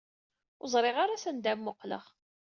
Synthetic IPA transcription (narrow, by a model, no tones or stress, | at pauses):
ʊzˤɾˤɪʁaɾasænd̪æmmːʊqlə̰ʁ